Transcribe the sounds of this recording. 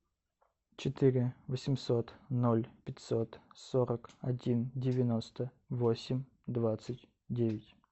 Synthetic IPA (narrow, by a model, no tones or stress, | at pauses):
t͡ɕɪt̪ɨɾʲɪvəsʲɪmso̞t̪nolʲpʲɪtʲso̞t̪soɾəkɐdʲindʲɪvʲɪnost̪ə | vosʲɪmʲ | d̪vat̪sɨtʲ | dʲevʲɪtʲ